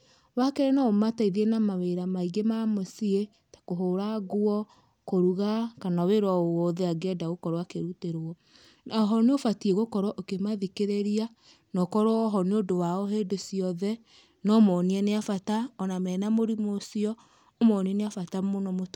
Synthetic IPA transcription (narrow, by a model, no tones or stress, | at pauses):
wakeɾɛnaomataiðienamaweɾamaiɡemamosie | tḁkoɦoɾaɣoɔ | koɾuɣakanaweɾwaowɔðɛaɡɛdaɣokɔɾɔwakeɾuteɾɔ | naɔɦɔneofatieɣokɔɾɔʔokemaðikeɾeɾia | nɔkɔɾoɔɦɔneodowaɔɦedosiɔðɛ | nɔmɔniɛneafataɔnamɛːnamoɾimosiɔ | omɔniɛneafatamonɔmo